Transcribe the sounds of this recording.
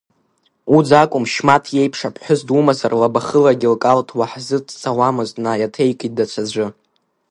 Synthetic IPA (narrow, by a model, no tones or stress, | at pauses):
ud͡zakʷʼʊmʃmatʰje̞jpʰʂapʰʼħʷʊzdumazarlabaχəlaɡʲilkʼaltʰwaħzɨtʰt͡sʰʼawamɨztʼnajatʰe̞jkʼit̚dat͡ɕʷʰad͡ʒʷɨ